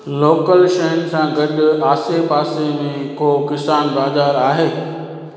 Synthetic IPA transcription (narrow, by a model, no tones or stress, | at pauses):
loːkəlʃɐənsãɡɐɗʊ̆aːsepaːsemẽkoːkɪsaːnbaːzaːɾaːɦeː